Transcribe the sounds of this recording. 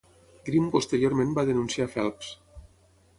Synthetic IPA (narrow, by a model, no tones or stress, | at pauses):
ɡɾimpost̪eɾjoɾmẽmbaðenunsiafɛlˠps